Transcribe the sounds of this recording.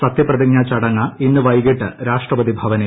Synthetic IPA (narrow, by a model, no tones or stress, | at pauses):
sɐt̪ːjɐprɐðiŋɲaːt͡ɕɐɽɐŋːɐinːɨʋɐjɣiʈːɨɾaːʂʈrɐpɐd̪ibʱɐʋɐne